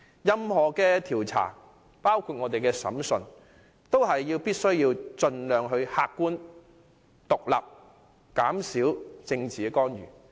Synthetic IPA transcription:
jɐ˧mhɔː˨kɛː˧t̪ʰiː˨˩wt͡sʰa̰ː˨˩ | paː˥wkʰu˧t̚ŋɔː˨˧t̪e˨jkɛː˧sɐ̰˨˥msɵ˨˧n | t̪o˥whɐ˨jːiː˧wpiː˥t̚sɵ˥ɥjiː˧wt͡sɵ˧nlœː˨ŋɦɵ˧ɥhaː˧kːuː˥n | t̪ʊ˨k̚la̰ː˨p̚ | kaː˨˥msiː˨˥wt͡sɪ˧ŋt͡siː˨˧kɔː˥njy̰ː˨˩

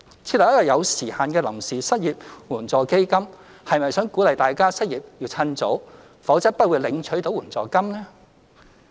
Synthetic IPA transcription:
t͡sʰiː˧t̚lɐ˨˩jɐ˥jɐ˨˩jɐ˨˧wsiː˨˩haː˨nkɛː˧lɐ˨˩msiː˨sɐ˥t̚jiː˨p̚wuː˨˩nt͡sɔː˨˩ke˥jkɐ˥m | hɐ˨jmɐ˨jsœː˨˥ŋku˨˥lɐ˨jt̪aː˨jkaː˥sɐ˥t̚jiː˨p̚jiː˧wt͡sʰɐ˧nt͡so̰˨˥w | fɐ˨˥wt͡sɐ˥t̚pɐ˥t̚wuː˨˧jlɪ˨˧ŋt͡ʃʰɵ˨˥ɥt̪o˨˥wuː˨˩nt͡sɔː˨˩kɐ˥mlɛː˥

